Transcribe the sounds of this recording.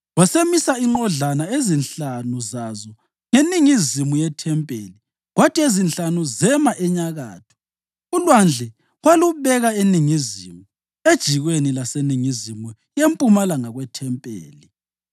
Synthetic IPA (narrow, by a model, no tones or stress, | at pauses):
wasemisaiŋ͡ǃɔɮanaezinɬanuzazɔ | ŋeniŋizimujɛtʰɛmpʼḛli | ɣwatʼiezinɬanuzɛmaʔɛɲaɣa̰ːtʰɔ̥ | ulwand͡ɮʱɛ | waluβɛɣaeniŋizimu | ed̥ʒ̥ʱiɣwenilaseniŋizimu | jempʼumalaŋaɣwɛtʰɛmpʼḛːli